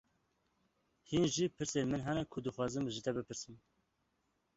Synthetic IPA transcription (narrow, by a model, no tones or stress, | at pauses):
hinʒipʰɨɾseːnmɨnɦɛnɛkʰʊd̪ɨxwɑːzɨmɨʒit̪ʰɛbɨpʰɨɾsɨm